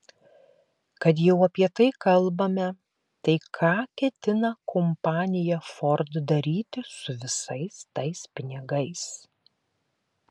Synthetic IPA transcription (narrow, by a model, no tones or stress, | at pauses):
kɐt̪̬jɛʊɐpʲiɛt̪ɐɪkɐlˠbɐmʲɛ | t̪ɐɪkʰɑːkʲɛt̪ʲɪnɐkʰɔmpɑːnʲɪjɛfɔɾd̪d̪ɐɾʲiːt̪ʲɪsʊʋʲɪsɐɪst̪ɐɪspʲɪnʲɪɡɐɪs